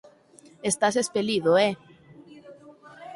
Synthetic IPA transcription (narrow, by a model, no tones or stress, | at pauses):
est̪as̬espeliðoe